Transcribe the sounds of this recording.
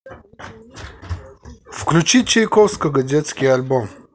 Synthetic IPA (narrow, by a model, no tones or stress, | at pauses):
fklʲut͡ɕit͡ʃejkowskəɡɐzʲet̪skʲɪjalʲbom